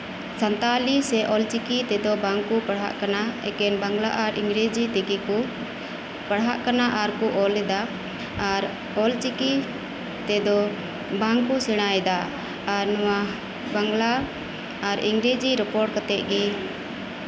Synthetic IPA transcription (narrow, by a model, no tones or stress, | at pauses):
sant̪alisɛʔɔlt͡ʃikit̪ɛd̪ɔbaŋkupəɽɦa̰ʔkanaɛ̰kɛnbaŋɡlaʔaɾʔiŋɡɾed͡ʒit̪ɛkiku | pəɽɦaʔkanaʔaɾkuʔɔlɛd̪aː | ɾ | ɔlt͡ʃiki | t̪ɛd̪ɔ | baŋkusɛɽ̃ajd̪aː | ɾnɔwa | baŋɡlaː | ɾiŋɡɾed͡ʒiɾɛpɔɾʈ̚kat̪ɛʔ̚ɡi